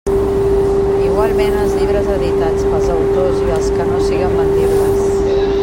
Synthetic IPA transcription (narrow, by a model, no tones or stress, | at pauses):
iɣwalˠmenəlˠzʎiβ̞ɾəzəðit̪ad͡zməlˠzəwt̪oziβəlskənosiɣəmbənd̪irres